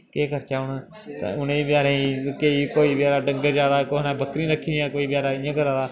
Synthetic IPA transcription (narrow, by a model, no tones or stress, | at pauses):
keːkəɾt͡ʃaːʊn̰ | ʊneːbɪjaːɾẽːĩkeiːkoːiːbɪjaːɾaːɖə̃ŋɡəɾd͡ʒaːd̪aːkoːɦnabʱəkɾĩːɾəkʰĩːãːkoːiːbɪjaːɾaːɪ̃ːãːkəɾãːd̪aː